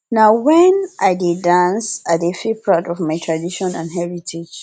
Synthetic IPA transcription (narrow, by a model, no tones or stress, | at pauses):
naʊwɛnʔaɪdidãnsadefipʰɹadɔfmaɪtʰɹadiʃɔ̃nã̰nɦɛɹitʰid͡ʒ